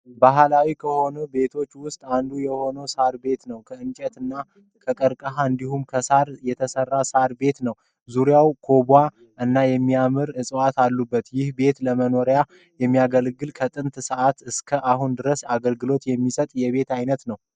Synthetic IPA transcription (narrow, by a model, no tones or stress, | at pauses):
baɦlawikʰəho̞nəbe̞t̪ʰo̞t͡ʃːwʊst̪ʼand̪ujɛho̞nəwsaɾbe̞t̪nəwkʰəɨnt͡ʃʼɛt̪ɨnːa | kʰʼəkʼəɾkʼəɦaɨnd̪ihumkʰəsaɾjɛt̪ʰəsərːasaɾbe̞t̪nəw | zuɾjawkʰo̞bʷa | ʔɨnːajɛmːiamɨɾɨsʼəwat̪alːubːət̪jɪhbe̞t̪ləməno̞ɾja | jɛmːijaɡəlɡɨlkʰət̪ʼɨnt̪səʔat̪ɨskʰəʔaɦund̪ɨɾəsaɡəlɡɨlo̞t̪jɛmːisət̪ʼjɛβe̞t̪ajnət̪nəw